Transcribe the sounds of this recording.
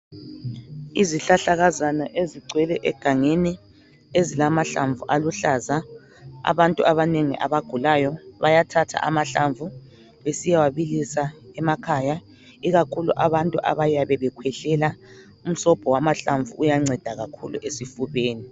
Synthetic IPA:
iziɬaɬaɣazanaʔeziɡ͡ǀʱwɛlɛʔɛɡ̥ʱaŋeni | ezilamaɬaɱvuʔaluɬaza | a̰βantʼuʔaβaneŋḭʔa̰βaɡ̥ʱulajɔβajatʰatʰa̰ʔamaɬaɱvu | βesijawaβilisaɛmakʰaja | iɣakʰuluʔaβantʼuʔa̰βajaβɛβɛkʰwɛɬɛla | um̩sɔb̥ʱɔwamaɬaɱvuujaŋ͡ǀɛd̥ʱaɣakʰṵlṵʔesifuβeːni

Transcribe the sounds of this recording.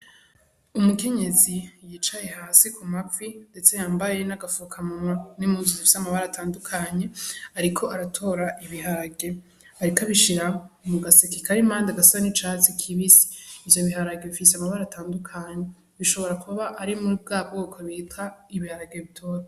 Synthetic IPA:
umuke̞ɲe̞zijit͡ʃaje̞haːsikʰumakwinde̞t͡se̞jaːmbaje̞naɡafukʰamumanimuːnzuzifi̥seamaβaɾatʰaːndukʰaɲe̞aɾikʰo̞aɾatʰo̞ɾaʔiβiɦaɾaɡe̞ | aɾikaβiʃiɾamuɡasekikʰaɾimaːndaɡasaβanit͡ʃat͡sikʰiβisi̥ːvjo̞βiɦaɾaɡeβifiseamaβaɾataːndukʰaɲe̞ | βiʃo̞βo̞ɾakuβaβaʔːɾimuɾib̚ɡaːb̚ɡokʰoβitaiβihaɾaɡeβitʰo̞ːɾa

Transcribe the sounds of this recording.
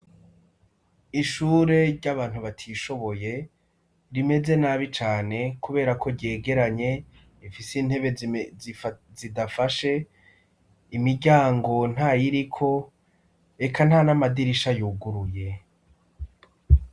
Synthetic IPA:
iʃuːɾe̞ɾɟaβaːn̥huβatʰiʃo̞βo̞je̞ | ɾime̞ze̞naβit͡ʃaːne̞kuβe̞ːɾakʰo̞ɾɟe̞ːɡe̞ɾaɲe̞ | ifisin̥he̞βe | zidafaʃe̞ | imiɟaːŋɡo̞n̥ajiɾikʰo̞ | e̞kʰan̥hanamadiɾiʃajuːɡuɾuje̞

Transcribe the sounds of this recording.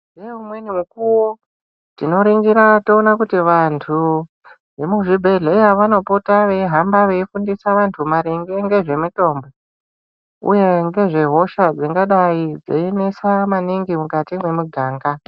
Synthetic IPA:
neumwenimukuwo | tino̞ɾiŋɡiɾato̞ːnakutiʋantʰu | ʋe̞muʐibʱe̞ɮe̞jaʋano̞potaʋe̞iɦambaʋe̞ifundisaʋantʰumaɾiŋɡeŋɡe̞ʐe̞muto̞mbo̞ | ṵje̞ŋɡe̞ʐe̞ɦo̞ʃad͡ziŋɡaɗaid͡zḛinesamaniŋɡimukatimwe̞muɡʱaːŋɡa

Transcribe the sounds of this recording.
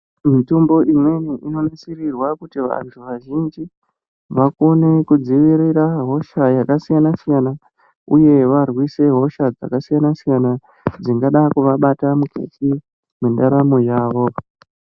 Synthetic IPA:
mitumbo̞ʔimwe̞niʔino̞nasirirwakutiʋa̰ntʰuʋaʒind͡ʒi | ʋako̞ne̞kud͡ziʋiɾiɾaɦo̞ʃajakasijanasijana | uje̞ʋarwise̞ɦo̞ʃad͡za̰kasijanasijana | d͡ziŋɡaɗakuʋaɓatamukʰḛti | mendaɾamojaːʋo̞

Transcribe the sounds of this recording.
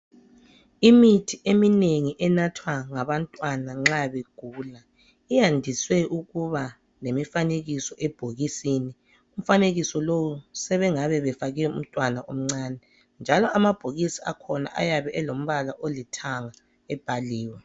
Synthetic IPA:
imitʰiʔemineŋiʔɛnatʰwaŋaβantʼwanaŋ͡ǁaβeɡ̥ʱuːla | ijandʱiswɛʔuɣuβa | lemifaneɣisɔʔɛb̥ʱoɣisini | um̩faneɣisɔlowusɛβɛŋaβɛβɛfaɣɛɛṵm̩tʼwanaʔom̩ŋ͡ǀaːnɛ | nd͡ʒʱalɔʔamab̥ʱoɣisia̰kʰɔna̰ʔa̰jaβɛʔɛlom̩βalaʔolitʰaŋa | ɛb̥ʱaliːwɛ

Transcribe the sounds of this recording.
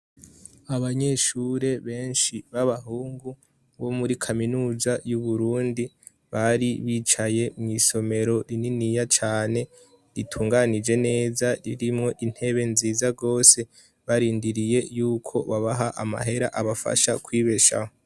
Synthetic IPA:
aβaɲe̞ʃuɾe̞βe̞ːnʃiβaβaɦuːŋɡu | βo̞muɾikʰaminuːzajuβuɾuːndi | βaɾiβiːt͡ʃaje̞mŋiːso̞me̞ɾo̞ɾininijat͡ʃaːne̞ | ɾitʰuːŋɡanid͡ʒe̞ne̞ːzaɾiɾimŋo̞ʔin̥he̞βe̞nziːzaɡo̞ːse̞ | βaɾiːndiɾije̞juːkʰo̞̰βaβaɦaʔama̰ɦe̞ɾaʔaβafa̰ʃa̰kwiːβe̞ʃa̰ho

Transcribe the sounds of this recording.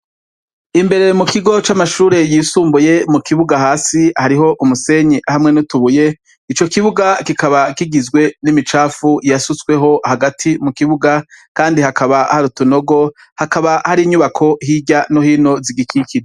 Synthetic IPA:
imbe̞ɾe̞mukiɡo̞t͡ʃamaʃuːɾe̞jiːsuːmbuje̞mukiβuɡahaːsihaɾiɦo̞ʔumuse̞ɲehamŋe̞nutuβuje̞ | it͡ʃo̞kiβuɡakikaβakiɡizɡwe̞nimit͡ʃaːfujasut͡swe̞ɦo̞haɡatʰimukiβuɡakaːndihakaβahaɾutuno̞ɡo̞ | hakaβahaɾiɲuβakʰo̞hiɟanohiːno̞ziɡikikʰiɾee

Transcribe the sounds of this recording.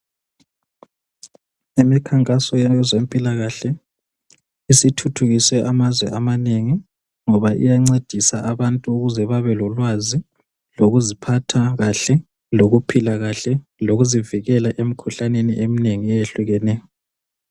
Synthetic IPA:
imikʰaŋkʼasɔjɛzempʼilaɣaɬɛ | isitʰutʰuɣiswɛʔamazwɛʔamaneŋi | ŋɔβaʔḭjaŋ͡ǀed̥ʱisaʔaβantʼuːɣuzɛβaβɛlɔlwazi | loɣuzipʰatʰaɣaɬɛ | loɣupʰilaɣaɬɛloɣuziviɣɛlaʔem̩kʰuɬaneniʔemineŋijeɬuɣɛnɛːjɔ

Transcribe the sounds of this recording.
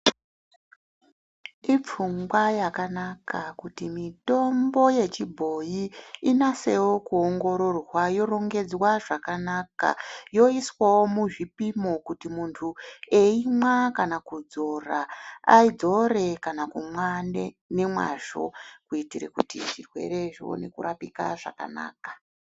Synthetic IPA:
ip͡fuŋɡwajakanakʰakutimito̞mbo̞je̞t͡ʃibʱo̞jiːnase̞wokuoŋɡo̞ɾo̞rwajo̞ɾo̞ŋɡe̞d͡zwaʐakanaka̰jo̞iswawo̞muʐipimo̞kutimuntʰue̞imwakanakud͡zo̞raa̰id͡zo̞re̞kanakumwane | ne̞mwa̰ʂo̞kuitiɾḛkutḭʐirwe̞̰ɾe̞ʐio̰ne̞̰kṵɾapika̰ʐa̰ka̰na̰ːkḁ

